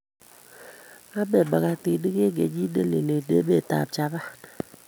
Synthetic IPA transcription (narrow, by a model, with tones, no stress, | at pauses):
a˦be˨ba˨ka˦ti˨di˦ke˦ɡe˨d͡ʒi˦de˦le˨le˨dḛ˦be˦˨ta̰˨p̚t͡ʃa˨ba˦